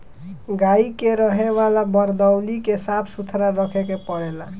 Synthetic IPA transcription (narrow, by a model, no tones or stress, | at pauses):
ɡaikeɾəɦeβalabəɾd̪əwlikesapʰsut̪ʰɾaɾəkʰekepəɽela